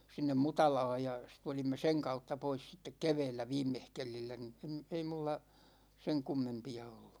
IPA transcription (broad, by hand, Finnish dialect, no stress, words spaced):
sinːem mutɑlɑːj jɑ sit tulimːe seŋ kɑutːɑ pois sitːek keʋɛːlːæ ʋiːmːehkelilːæ ni em ei mulːɑ seŋ kumːempiɑ olːu̥